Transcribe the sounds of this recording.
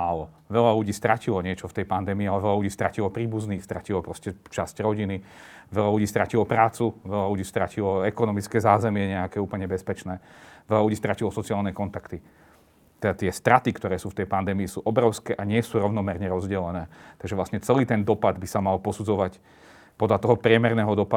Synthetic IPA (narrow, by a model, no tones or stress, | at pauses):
aːlɔ | ʋɛʎaluɟiːst̪ɾacilɔɲɪɛt͡ʃɔft̪ɛjpand̪ɛːmiːalɛʋɛlaluɟiːst̪ɾacilɔpɾiːbuzniːst̪ɾa̰cilɔpɾɔscɛt͡ʃascɾɔɟiniʋɛlaluɟiːst̪ɾacilɔpɾaːt͡suʋɛʎaluɟiːst̪ɾacilɔɛkɔnɔmit͡skɛːzaːzɛmɪɛɲɛakɛːuːpl̩ɲɛbɛspɛt͡ʃnɛːʋɛlaluɟiːst̪ɾacilɔsɔt͡siaːlnɛkɔnt̪akt̪i | t̪ɛat̪ɪɛst̪ɾat̪ikt̪ɔɾɛːsuːft̪ɛjpand̪ɛːmiisuːʔɔbɾɔʊskɛːʔaɲɪɛsuːɾɔʊnɔmɛɾɲɛɾɔzɟɛlɛnɛːt̪aɡʒɛʋlastɲɛt͡sɛliːt̪ɛnd̪ɔpad̪bisamalpɔsud͡zɔʋac | pɔd̪lat̪ɔɦɔpɾɪɛmɛɾnɛːɦɔd̪ɔpa